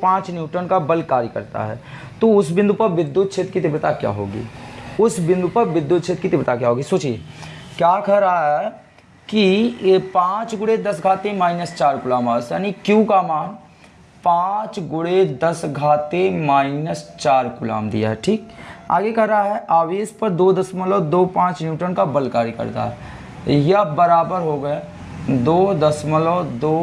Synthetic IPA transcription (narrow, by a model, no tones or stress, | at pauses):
pãːt͡ʃnjuːʈənkabəlkaːɾjəkɐ̰ɾt̪a̰ɦɛ̰ː | t̪oʊsbɪ̃nd̪upəɾʋɪd̪ːjut̪̚t͡ʃʰet̪kit̪ɪbɾt̪akja̰ːɦo̰ːɡḭːʊsbɪ̃nd̪ʱupəɾʋɪd̪jut̪̚t͡ʃʰeːt̪kit̪ɪbɾt̪akjaːɦoːɡisoːt͡ʃieː | kjaːkʰɐɾaːɦɛ | kipãːt͡ʃɡʊɽed̪ɐsɡʱaːt̪emaːɪnəst͡ʃaːɾkʊlaːmaːsjaːnikjũkaːmaːn | pãːt͡ʃɡʊɽed̪ɐsɡʱaːt̪emaːɪnəst͡ʃaːɾkʊla̰ːmd̪ḭja̰ɦɛʈʰiːk̚a̰ːɡekɐɾaɦɛʔaːʋiespəɾd̪oːd̪əsməlod̪oːpãːt͡ʃnjuːʈənkabəlkaːɾikɐ̰ɾt̪a̰ɦɛ | jabəɾaːbəɾɦoːɡəe | d̪oːd̪əsməlɔd̪oː